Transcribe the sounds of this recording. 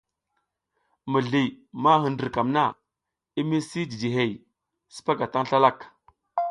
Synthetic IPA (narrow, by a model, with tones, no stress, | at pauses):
mə˨ɮi˨ma˦ɦə˨ndə˨ɾka˨mna˦˨ | i˦mi˦si˦di˨di˨ɦe˨j | si̥˦pa˦ɡa˨ta˦ŋɬa˦la˦˨k